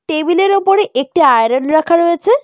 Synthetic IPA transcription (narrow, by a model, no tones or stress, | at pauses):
ʈebileɾupoɾeʔek̚ʈiajɾonɾakʰaɾojet͡ɕʰe